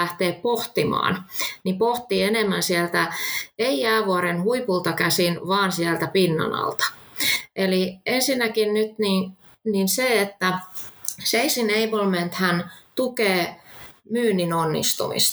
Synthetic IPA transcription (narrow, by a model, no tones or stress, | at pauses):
æht̪eːppoht̪imɑ̰ːnnipoht̪ienemːænsielt̪æeiæːʋuɑɾenhuipult̪ɑkæsinʋɑːnsiælt̪æpinːɑ̰nɑ̰lt̪ɑ̥ʔeliensinːækinnyt̪nin | ninseet̪ːæ | seisineibolment̪hænt̪ukeːmyːnːinonːḭst̪ṵmḭst̪